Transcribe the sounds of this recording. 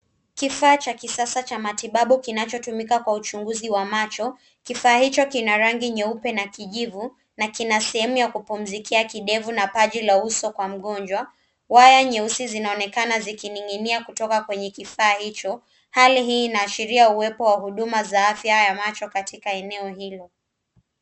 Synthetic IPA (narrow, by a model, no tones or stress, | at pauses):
kifaːt͡ʃakisasat͡ʃamatiɓaɓukinat͡ʃɔtumikakwaut͡ʃuŋɡuziwamat͡ʃɔ | kifaːhit͡ʃɔkinaɾaŋɡiɲɛupɛnakiʄivu | nakinasɛhɛmujakupum̩zikʰiakiɗɛvunapaʄilausɔkwam̩ɠɔnd͡ʒwa | wajaɲɛusizinaɔnɛkanazikiniŋɡiniakutɔkakwɛɲɛkifaːhit͡ʃɔ | haliɦiːnaːʃiɾiauwɛpɔwaɦuɗumazaafjajamat͡ʃɔkatikaɛnɛɔhilɔ